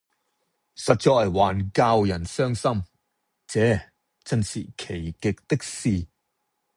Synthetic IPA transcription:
sɐ˨t̚t͡ʃɔː˨jwaː˨˩nkaː˧wjɐ˨˩nsœː˥ŋsɐ˥m | t͡sɛː˨˥ | t͡sɐ˥nsḭː˨kʰe˨˩jkɪ˨k̚t̪ɪ˥k̚siː˨˧

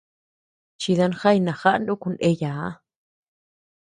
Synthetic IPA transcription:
t͡ʃi˧ða˧nxa˦jnã˨xa˦ʔnd̪u˦ku˧ne˧jaː˨˦

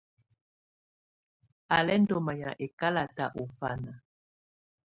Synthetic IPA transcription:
a˨lɛ˦n˦dɔ˨ma˨ja̰˨ʔe˨ka˦la˨ta˨ʔo˨fa˦na˨

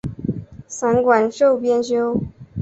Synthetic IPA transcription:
sa˧˥nkwa˨˩nʂo˥˩ʊpjɛ˥nɕjo˥ʊ

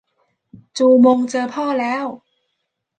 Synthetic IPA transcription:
t͡ɕuː˧mo˧ŋt͡ɕɤː˧pʰɔː˥˩lɛː˦˥w

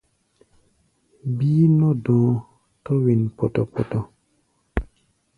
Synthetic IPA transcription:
biː˦nɔ˦dɔ̃ː˨˦ | tɔ˦wi˨npɔ˨tɔ˨pɔ˨tɔ˨

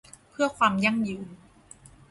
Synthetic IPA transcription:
pʰɯ˥˩ɐkʰwaː˧mja˥˩ŋjɯː˧n

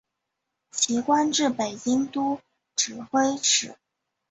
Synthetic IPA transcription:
t͡ɕʰi˧˥kwa˥nʈ͡ʂɻ̩˥˩pe˨˩ɪt͡ɕi˥ŋt̪u˥ | ʈ͡ʂɻ̩˨˩xwe˥ɪʈ͡ʂʰɻ̩˨˩˦

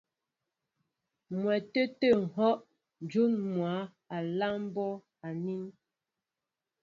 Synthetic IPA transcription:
mwɛ˨tə˦tə˦˨ŋ̩˨ɦɔ˦ʔ | n˨d͡ʒu˦nmwa˨˦ | a˨la˦m˦bɔ˦ | a˨ni˦n

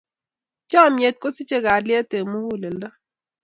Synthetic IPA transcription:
t͡ʃa˦˨mje˨t̪̚ko˦sɪ˦t͡ʃe˦ɡa˨ljɛ˦te˨mu˦wu˦˨le˨nda˦

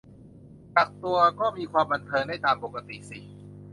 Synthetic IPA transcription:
ka˨˩k̚t̪u˧ɐkɔː˥˩miː˧kʰwaː˧mba˧nt̪ʰɤː˧ŋda˥˩jt̪aː˧mpo˨˩ka˧t̪ḭ˨˩ʔsi˨˩

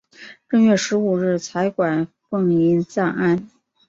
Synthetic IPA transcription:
ʈ͡ʂə˥˧ŋɥɛ˥˩ʂɻ̩˧˥u˨˩ɻɻ̩˥˩t͡sʰa˧˥ɪkwa˨˩n | fɤ˥˩ŋi˧˥nt͡sa˥˧na˥˩n

